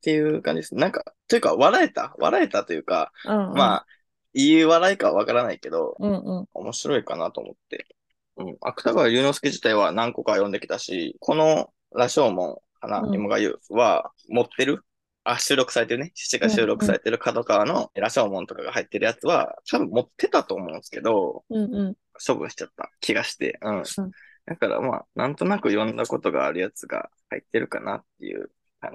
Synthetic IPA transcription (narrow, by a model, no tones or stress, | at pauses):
t̪e̞jɯ̟kãɲd͡ʑid̪esɨnenãŋkat̪o̞jɯ̟kaβaɾae̞t̪a̰βa̰ɾae̞t̪at̪o̞jɯ̟ːka̰maː | iɯβaɾaikaβa̰β̞akaɾanaike̞d̪õ̞̰o̞̰mʔo̞ɕiɾo̞ikana̰t̪o̞̰ːmo̞̰t̪ːe̞̰ | ɯ̟̃ɴa̰kɯ̟̥t̪aɡaaɾʲɯ̟ːno̞sɨ̥kʲiʑi̥t̪aiβanãŋko̞kaajõ̞nd̪e̞kʲi̥t̪aɕḭkʰo̞no̞ | ɾaɕo̞ːmõ̞̰ŋhana̰ɲʲimoɡa̰jɯ̰βa̰ | mo̞t̪ːe̞ɾɯ̟ | aɕɨːɾo̞kɯ̥saɾe̞t̪eɾɯ̟neɕɨ̥t͡ɕiɡaɕɨːɾo̞kɯ̟̥saɾe̞̰t̪eɾɯ̟kʰad̪o̞kano̞ɾaɕo̞ːmõnt̪o̞kaɡahait̪ːeɾɯ̟jat͡sɨβa̰t̪ʰabɯ̟̃mmo̞t̪ʰːe̞t̪at̪oːmõ̞ɯ̃nsɨ̥ke̞d̪o̞ | ɕo̞bɯ̟̃ɰ̃ɕi̥t͡ɕat̪ːa̰kʲʰiɡaɕi̥t̪e̞̰ɯ̟̃ɰd̪akaɾa̰ma̰nʔãnt̪o̞nakɯ̟jõ̞nd̪ako̞t̪o̞ɡa̰ːɾɯ̟jat͡sɨɡa̰ha̰it̪ːe̞ɾɯ̟kana̰t̪ːe̞̰jɯ̟̰ | k̪ãɲ